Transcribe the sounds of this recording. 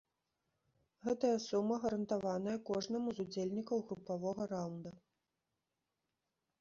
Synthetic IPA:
ɣɛt̪ɐjɐsumːɐɣɐɾɐnt̪avanɐjɐkɔʐnɐmuzud͡zʲelʲnʲikɐwɣɾupavɔɣɐɾawnd̪ɐ

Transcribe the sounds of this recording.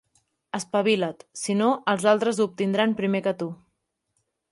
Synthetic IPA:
əspəβ̞ilət̪sinoʔəlˠzalˠt̪ɾəzup̚t̪ind̪ɾanpɾimekət̪u

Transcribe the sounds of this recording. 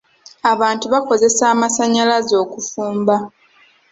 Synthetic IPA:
aβaːntuβako̞ze̞saːmasaɲːalazo̞ːkufuːmba

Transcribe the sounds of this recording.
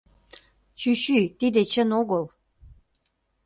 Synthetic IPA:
t͡ɕyɕyt̪id̪et͡ɕənoɣəl

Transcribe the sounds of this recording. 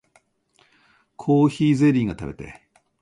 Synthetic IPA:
kʰoːçiːze̞ɾʲĩŋɡat̪a̰be̞t̪e̞̰

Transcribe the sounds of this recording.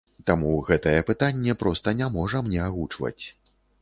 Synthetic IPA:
t̪amuɣɛt̪ɐjɛpɨt̪anʲːɛpɾɔst̪ɐnʲamɔʐɐmnʲɛaɣut͡ʂvɐ̰t͡sʲ

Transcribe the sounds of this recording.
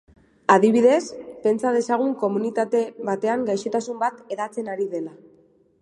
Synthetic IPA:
aðiβ̞iðe̞spe̞nt͡sað̞e̞saɣ̞uŋko̞munit̪at̪e̞βat̪e̞aŋɡajʃet̪asumbat̪e̞ðat͡se̞naɾiðe̞la

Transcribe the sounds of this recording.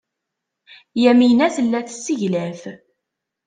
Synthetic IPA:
jæminæθəlːæθsːiʝlæθ

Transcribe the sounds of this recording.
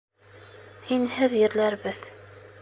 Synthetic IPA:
inhæðjəɾlæɾvəθ

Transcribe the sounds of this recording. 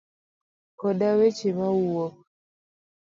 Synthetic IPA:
kɔdawet͡ʃemawuwo

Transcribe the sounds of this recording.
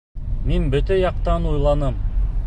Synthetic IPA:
menbɵt̪æjɑqt̪ɑnujlˠɑnəm

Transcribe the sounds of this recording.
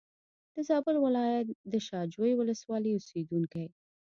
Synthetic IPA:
d̪̥əzɑbəlwɪlɑjat̪̚d̪əʃɑd͡ʒwojwʊləswɑliʊsed̪uŋkaj

